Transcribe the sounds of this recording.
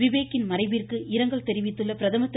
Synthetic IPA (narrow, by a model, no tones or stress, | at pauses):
ɪʋeːkːɪnmɐrɐɪʋirkɯʔɪɾɐŋɡɐɭt̪ɛɾɪʋɪt̪ːɯɭːɐpɪɾɐðɐmɐt̪ː